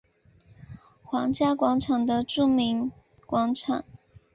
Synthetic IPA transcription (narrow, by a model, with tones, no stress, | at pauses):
xwɑ˧˥ŋt͡ɕja˥kwɑ˧˥ŋʈ͡ʂʰɑ˨˩ŋd̪ə˦ʈ͡ʂu˥˩mi˧˥ŋ | kwɑ˧˥ŋʈ͡ʂʰɑ˨˩˦ŋ